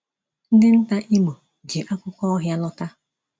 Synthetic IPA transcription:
n̩˦dɪ˦n̩˦ta˦ʔi˦mo˨ | d͡ʒi˨ʔa˦kʷʊ˦kɔ˦ɔ˦ɦja˦lɔ˦ta˦

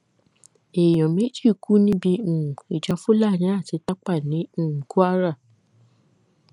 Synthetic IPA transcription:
e˨jɔ̃˨mẽ˨˦d͡ʒi˦˨ku˦nĩ˦bĩ˧˦˨ũ˨i˨d͡ʒa˨˧˦fu˦la˦˨jɛ̃˨˦a˦˨ti˨˧ta˦k͡pa˦˨nĩ˨˦˨ku˦a˦ɾa˦˨

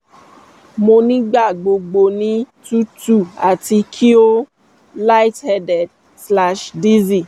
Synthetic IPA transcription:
mo˧nĩ˦ɡ͡ba˦˨ɡ͡bo˨˧ɡ͡bo˧˨nĩ˧˦ | tu˦tu˦˨a˨ti˧kʰi˦o˦ | la˦i˦thɛ˧dɛ˨d | sla˧ʃdi˦zi˨

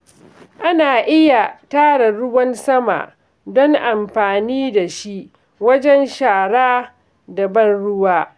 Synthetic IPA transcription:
ʔa˦naː˨ʔɪ˦ja˨taː˦ɽa˨ɽʊ˦wɐ˦nsɐ˦ma̰˨ʔ | dɔ˦ŋʔa˨mɸaː˨niː˦da˨ʃi˦ʔ | wɐ˦d͡ʒɛ˦nʃaː˨ɽaː˦ | da˨bɐ˦nɽʊ˦waː˦

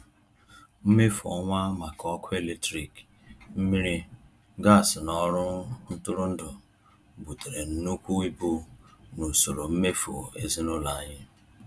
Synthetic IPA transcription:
m̩˦me˦fu˨ɔ˦ŋʷa˦ma˨kɔ˦kʰʊ˦e˦˨le˦tɾi˨k | m̩˦mi˦ɾi˦ | ɡa˦˨sɪ˨nɔ˦ɾʊ˦n̩˦tʊ˦ɾʊ˦n̩˦dʊ˨ | bu˨te˨ɾe˨n̩˨nu˦kʷu˦i˦bu˦nu˨so˨ɾo˨m̩˦me˦fo˨e˦zi˦nʊ˦la˨a˨ɲɪ˦

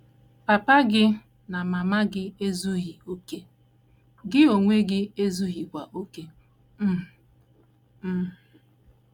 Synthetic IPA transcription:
pa˨pa˦ɡɪ˦ | na˨ma˨ma˦ɡɪ˦e˦zu˦ɣi˨o˦ke˦ | ɡɪ˦o˨ŋʷe˦ɡɪ˦e˦zu˦ɣi˨kʷa˨ʔo˦ke˦˨

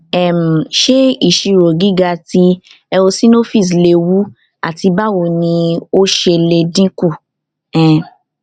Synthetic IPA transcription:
ɛ˦˨m̩˨ʃe˦i˦˨ʃi˧ɾo˨ɡi˨˦ɡa˧ti˧ | ɛ˧o˧sĩ˦no˦fi˦˨s̬le˧˦wu˦ | a̰˦˨ti˧ba˦wo˧˨nĩ˧o˦ʃe˧le˧dĩ˦ku˦˨ | ɛ̃˨

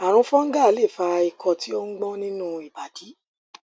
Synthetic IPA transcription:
a˨ɾ̃ũ˧˦fɔ̃˦ŋ̩˦ɡa˦˨˦le˦˨fa˧i˨kʰɔ˧˨ti˨˦o˦ŋ̩˦ɡ͡bɔ̃˦nĩ˦nũ˦i˨ba˨di˨˦

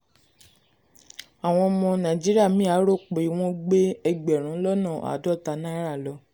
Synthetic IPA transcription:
a˨w̃ɔ̃˧mɔ̃˧nã˨d͡ʒi˦ɾi˦a˦˨mĩ˦a˨˦ɾo˦˨k͡pe˨i˨w̃ɔ̃˦ɡ͡be˦ɛ˧ɡ͡bɛ˨ɾ̃ũ˨˦lɔ˦nã˦˨a̰˨˦dɔ˦˨ta˧˦nã˦i˦ɾa˦˨lɔ˨˦

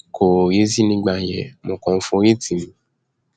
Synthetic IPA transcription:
ko˨je˦si˦nĩ˧˦ɡ͡ba˧˨jɛ˨mõ˧˨kɔ̃˨n̩˦fũ˧˦ɾi˦ti˦˨mĩ˨˦

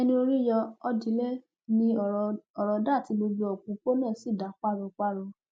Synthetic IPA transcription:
ɛ˧nĩ˧o˧ɾi˦jɔ˧ɔ˧di˨˦le˦ | nĩ˧˨ɔ˨ɾɔ˨˧da˦˨ti˨˧˦mo˧d͡ʒu˧ɔ˨k͡pũ˨˦k͡po˦nãː˦˨si˦˨da˨˦k͡pa˦˨ɾɔ̃˧k͡pa˦ɾɔ˧

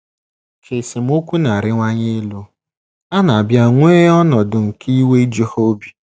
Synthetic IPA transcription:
ke˨si˨m̩˦o˦kʷu˦na˨ɾɪ˦ŋʷa˦ɲe˦lu˦ | a˦na˨a˨bja˦ŋʷeː˦ɔ˦nɔ˨dʊ˨ŋ̩˨ki˦we˦d͡ʒi˦ho˦bi˨

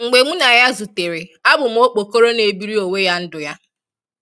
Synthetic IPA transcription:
ŋ͡m̩˨ɡ͡be˨ŋ͡mu˦na˨ja˦zu˨te˨ɾe˨a˦bʊ˨m̩˨o˦k͡po˨ko˦ɾo˦ne˨bi˦ɾi˦o˨we˦ja˦n̩˦dʊ˨ja˦

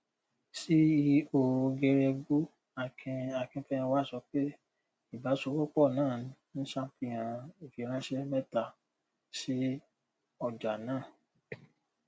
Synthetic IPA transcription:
si˦i˧o˧ɡɛ˧ɾɛ˧ɡu˦ | a˨kɛ̃˧a˨kɛ̃˧fɛ̃˦ã˧wa˦˨sɔ˧˦k͡pe˦ | i˦˨ba˨˦so˧˦kɔ˦k͡pɔ˦˨nãː˦˨˦ñ̩˦sã˦fĩ˦˨j̃ã˨˧i˨fi˨˧˦ɾ̃ã˦ʃɛ˦mɛ˦ta˧˨ | si˦ | ɔ˧˨d͡ʒa˨nãː˦˨

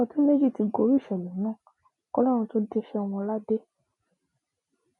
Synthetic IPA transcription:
ɔ˧tũ˦me˦d͡ʒi˦˨ti˧ɡo˧ɾi˦˨ʃɛ˨lɛ˨˦nãː˦˨ | ɔ˧lɔ˦ɾ̃ũ˧to˦de˦ʃɛ˦˧w̃ɔ̃˧la˦de˦

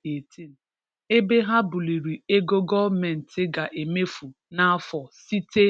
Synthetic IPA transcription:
e˨ti˦n̩˨ | e˦be˦ɦa˦bu˨li˨ɾi˨e˦ɡo˦ɡɔ˦me˨n̩˨tɪ˦ɡa˨ʔe˨me˦fu˨ | na˦fɔ˨si˦te˦

